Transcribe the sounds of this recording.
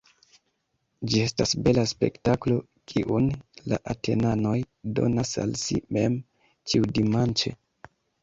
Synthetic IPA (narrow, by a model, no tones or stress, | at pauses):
d͡ʒie̞stasbe̞laspe̞̰ktaklo̞ | kʰiʔunla̰ʔatʰe̞nano̞j | do̞̰nasa̰lsḭme̞m | t͡ʃiudimant͡ʃe̞̰